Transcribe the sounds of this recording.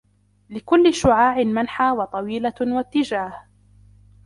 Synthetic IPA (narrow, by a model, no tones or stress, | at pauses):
lɪkʊlːɪʃʊʕaːʕɪmanħaːwɑt̪ˤɑwiːlawat̪ːɪd͡ʒaːh